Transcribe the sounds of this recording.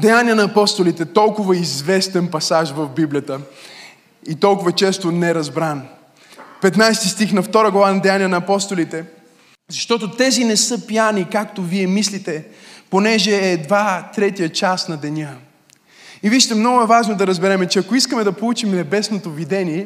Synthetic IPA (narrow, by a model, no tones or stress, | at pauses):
d̪ɛjanʲiɐnɐːpɔst̪olit̪ɛt̪ɔlˠkʊvəizvɛst̪ɛnpɐsaʒvɐvbiblʲijət̪ə | it̪ɔlˠkʊvɐt͡ʃɛst̪onɛɛɾɐzbɾan | pɛt̪najst̪ist̪ixnɐft̪ɔɾəɡlˠɐvanɐd̪ɛjaniənɐːpɔst̪olit̪ɛ | zɐʃt̪ɔt̪ot̪ɛzinɛsɤpijanikakt̪oviɛmislit̪ɛponɛʒɛːd̪vat̪ɾɛt̪ijət͡ʃasnɐd̪ɛnʲa | iviʃt̪ɛmnɔɡʊɛvaʒnod̪ɐɾɐzbɛɾɛmɛt͡ʃɛɐkoiskəmɛd̪ɐpolˠut͡ʃimnɛbɛsnot̪ovid̪ɛniɛ